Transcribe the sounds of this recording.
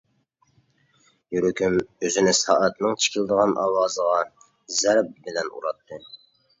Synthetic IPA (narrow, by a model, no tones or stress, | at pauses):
jyɾykʲʰymøzɪnɪsɑ̰ːʔæt̪nɨŋt͡ʃʰi̥kʲʰilˠd̪əʁɑnʔɑ̰ːwɑːzəʁɑ | zɛɾp̚bɪlɛnṵɾɑt̪ʰːɨ